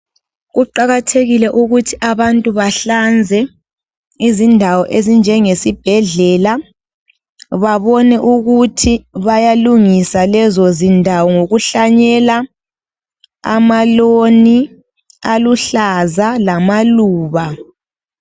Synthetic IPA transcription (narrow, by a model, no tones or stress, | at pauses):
ɣuǃaɣatʰeɣilɛʔuɣutʰiʔaβantʼuβaɬand͡zʱɛ | izindʱawɔʔezind͡ʒʱɛŋesib̥ʱɛɮɛla | βaβɔnɛʔuɣutʰiβajaluŋisalɛzozindʱawɔŋoɣuɬaɲɛla | a̰maloni | aluɬazalamaluːβa